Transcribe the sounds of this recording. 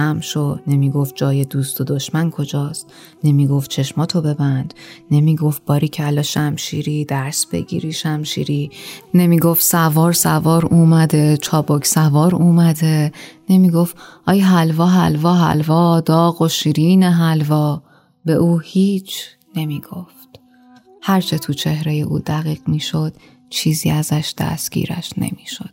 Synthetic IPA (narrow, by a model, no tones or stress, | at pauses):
æmʃod̪ne̞miːɡo̞ft̪̚d͡ʒɒːjed̪uːst̪ʰod̪o̞ʃmænkʰo̞d͡ʒɒːst̪ | ne̞miːɡo̞ft̪̚t͡ʃʰe̞ʃmɒːt̪ʰobe̞bænd̪ne̞miːɡo̞f̚b̥ɒːɾiːcʰælɒʃæmʃḭːɾiːd̪̥æɾsb̥e̞̰ɟḭːɾiːʃæmʃḭːɾine̞miːɡofsævɒːɾsævɒːɾuːmæd̪e̞t͡ʃʰɒːbocʰsævɒːɾuːmæd̪e̞ne̞miːɡo̞ft̪ʔɒːjɦælvɒːɦæ̰lvɒːɦæ̰lvɒːd̪ɒːɣoʃiɾiːneɦælvɒː | be̞ʔuːhiːt͡ʃʰ | ne̞miːɡ̥o̞ft̪ | hæɾt͡ʃʰe̞t̪ʰut͡ʃʰe̞hɾe̞jeʔṵːd̪æɣiːɣ̥miːʃo̞d̪̥ | t͡ʃʰiːzḭːæzæʃd̪̥æ̰st̪ɡ̥ḭɾæ̰ʃnḛmi̥ːʃo̞d̪̥